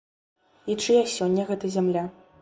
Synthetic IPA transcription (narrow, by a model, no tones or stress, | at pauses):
it͡ʂɨjasʲɔnʲːɐɣɛt̪ɐzʲamlʲa